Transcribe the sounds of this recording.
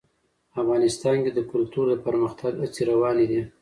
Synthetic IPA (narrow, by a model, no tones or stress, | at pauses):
afɣɑnɪst̪ɑnked̪əkʊlt̪uɾd̪əpəɾməxt̪ʰaɡat͡siɾawɑnid̪i